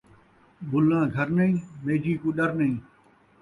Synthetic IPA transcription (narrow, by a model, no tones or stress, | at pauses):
bʊlãːɡʱəɾnəĩːmeːd͡ʒiːkuːɗəɾnɐĩː